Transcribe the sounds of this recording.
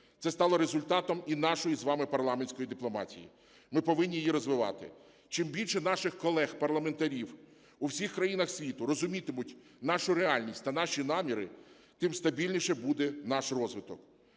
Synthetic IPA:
t̪sɛst̪ɑlˠɔɾezʊlʲt̪ɑt̪ɔminɑʃɔjizʋɑmɪpɐrlˠɑmenʲsʲkɔjid̪ɪplˠɔmɑ̰tʲḭjḭ | mɪpɔʋɪnʲːijjiɾɔzʋɪʋɑ̰t̪ɪ̰ | t͡ʃɪmbʲilʲʃɛn̪ɑʃɪxkɔlˠɛxpɐrlˠɐment̪ɐɾʲiw | uwsʲixkɾɐjinɐxsʲʋʲit̪ʊɾɔzʊmʲit̪ɪmʊtʲ | n̪ɑʃʊɾeɑlʲnʲisʲtʲt̪ɐnɑʃʲinɑmʲiɾɪ̰ | t̪ɪmst̪ɐbʲilʲnʲiʃɛbud̪ɛnɑʃrɔzʋɪt̪ɔk

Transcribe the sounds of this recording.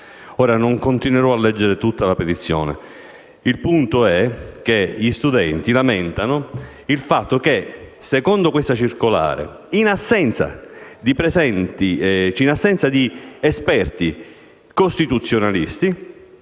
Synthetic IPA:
oːɾanoŋkont̪inweɾɔalːɛd͡ʒːeɾet̪ut̪ːalapet̪it̪sːjo̰ːnḛ | ilpunt̪oɛk̟eʎist̪ud̪ɛnt̪ilamɛnt̪ano | ilfat̪ːokesekond̪okwest̪at͡ʃirkola̰ːɾḛ | inasːɛnt̪sa̰d̪ipɾezɛnt̪it͡ʃinasːɛnt̪sad̪iespɛrt̪i | kost̪it̪ut̪sːjonalist̪i

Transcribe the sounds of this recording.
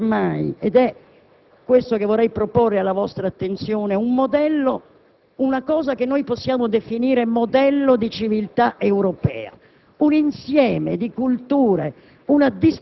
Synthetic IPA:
majɛd̪ɛ | kːwest̪okevɔɾːɛjpɾoporːealːavɔst̪ɾaːt̪ːent̪sjɔːneumːod̪ɛlːo | unakɔːzakenːɔjposːjaːmod̪efiniːɾemod̪ɛlːod̪it͡ʃivilt̪aʔewɾɔpɛ̰ːa̰ | uninsjɛːmḛd̪ikult̪uːɾe | unad̪is

